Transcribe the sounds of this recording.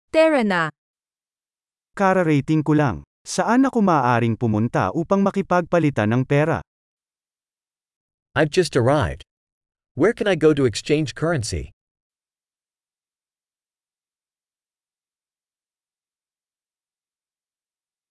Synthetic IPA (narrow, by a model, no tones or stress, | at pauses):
t̪ɛɹɐna | kaɾɐɾɛjt̪ɪŋkʊlaŋ | sɐʔanɐkomaːʔaːɾɪŋpʊmʊnt̪a̰ʔuːpɐŋmɐkɪpɐɡ̚pɐlɪt̪anɐŋpɛːɾɐ̰ | ʔaɪvd͡ʒʌstə˞aɪvd̥ | wɛɹkɨ̃naɪɡoʊɾuɛkst͡ʃẽɪ̃nd͡ʒkʰɜ˞ɨ̃nsḭ